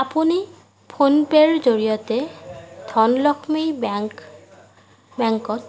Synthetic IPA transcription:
apuni | pʰonpeɹzoɹijɔtɛd̥ʱɔnlɔkʰmejb | bɛŋkɔt

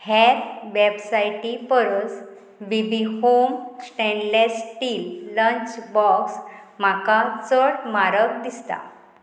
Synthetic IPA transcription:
hɛɾʋɛbsajʈipəɾət͡s | bibihomsʈɛ̃ɳɖlsʈiːlːəɲt͡ɕbɔksm̤akat͡səɽmaɾək̚d̪ist̪a̰

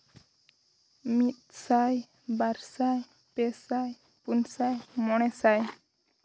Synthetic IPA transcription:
mit̪̚saj | baɾsaj | pɛsaj | punsajmɔɽ̃ɛsaj

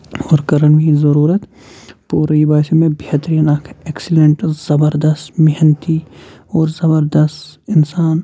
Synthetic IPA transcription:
ɔːɾkɐɾənmĩzɐɾuːɾət̪ | puːɾibaːsemẽbʱeːt̪ɾiːnaːkʰeːksɪlẽɳʈz̥ɐbəɾd̪ɐst̪mɪɦənt̪iɔːɾzɐbəɾd̪əst̪ɪnsaːn

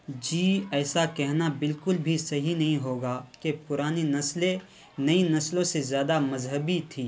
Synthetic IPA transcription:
d͡ʒiːɛːsakɛɦnabɪlkʊlbʱisɐɦinɐɦĩɦoːɡaːkepʊɾaːninɐsle | nɐinɐslõsezjaːd̪amɐzɦəbit̪ʰiː

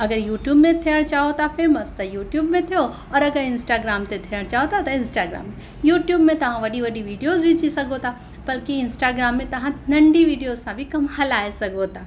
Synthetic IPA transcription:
ɐɡəɾjuːʈjuːbmẽt̪ʰijəɽ̃t͡ɕaːɦot̪afeːməst̪ɐjuːʈjuːbmẽt̪ʰijo | ɔːɾɐɡəɾɪ̃nsʈaːɡɾaːmt̪et̪ʰijəɽ̃t͡ʃaːɦot̪ʰat̪ɐɪ̃nsʈaːɡɾa̰ːmːẽ | juːʈjuːbmẽt̪ɐʋ̤ãʋɐɗiʋɐɗiʋiːɖijoːzbɪt͡ʃisɐɡʱot̪ʰa | b̥ɐlkiɪ̃nsʈaːɡɾaːmːẽt̪ɐʋ̤ãnɐ̃ɳɖiʋiːɖijozsãbʱikɐmɐlaːesɐɡʱot̪ʰaː

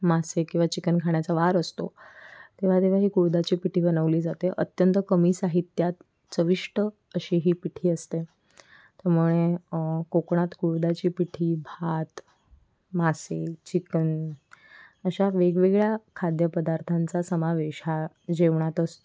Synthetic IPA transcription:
masekĩw̃ʋat͡ɕikənkʰaɳjat͡saʋaɾəst̪o̰t̪eʋ̤at̪eʋ̤aɦiːkuɽd̪at͡ɕiːpiʈʰiːbənəʋliːd͡zat̪eʔət̪jənt̪əkəmiːsaɦit̪jat̪ | t͡səʋiʂʈə | əɕiɦiːpiʈʰiːəst̪e | t̪jaɾmuɭekokɳ̃at̪kuɽd̪at͡ɕiːpiʈʰiːbʱat̪ | maset͡ɕikən | əɕaʋeɡʋeɡɭjakʰad̪jəpəd̪aɾt̪ʰãnt͡sasəmaʋeɕa | d͡ʑeʋɳat̪əst̪o

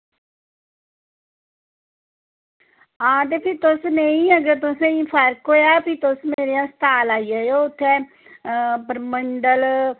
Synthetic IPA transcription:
ãːd̪eːpʰɪt̪ʊsneĩːəɡəɾt̪ʊsẽĩːpʰəɾkɦoːjaːpit̪ʊsmeːɾijãːst̪aːlaːijaːjoːʊt̪ʰːeː | pəɾməɳɖəl

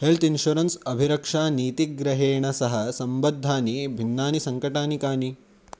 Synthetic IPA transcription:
helt̪inʃuɾɐnsɐbʱiɾɐkʂaːniːt̪iɡɾɐɦeːɳɐsɐɦɐsɐmbɐd̪ʱːaːnibʱinːaːnisɐŋkɐʈaːnikaːni

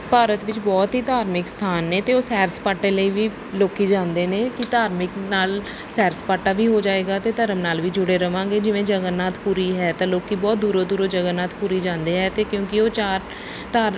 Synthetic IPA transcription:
paːɾət̪ʋɪt͡ʃbɔːt̪ɦiːt̪aːɾmɪkst̪ʰaːnːeːt̪eːoːsɛːɾspaːʈːeːləiːʋiː | loːkiːd͡ʒãːnd̪eːneːkɪt̪aːɾmɪknaːl | sɛːɾspaːʈːaːʋiːɦoːd͡ʒaːeːɡaːt̪eːt̪əɾəmnaːlʋiːd͡ʒʊɽeːɾəʋãːɡeːd͡ʒɪʋẽːd͡ʒəɡənːaːt̪ʰpuːɾiːɦɛːt̪ãːloːkiːbɔːt̪̚d̪uːɾoːd̪uːɾoːd͡ʒəɡənːaːt̪ʰpuːɾiːd͡ʒãːnd̪eːɦɛːt̪eːkjõːkɪoːt͡ʃaːɾ | t̪aːɾ

